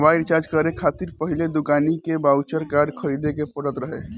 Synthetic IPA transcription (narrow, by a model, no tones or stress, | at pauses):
baiɾt͡ʃaɾd͡ʒkəɾekʰat̪iɾpəɦiled̪ukanikebawt͡ʃəɾkaɾɖkʰəɾid̪ekepəɽət̪ɾəɦe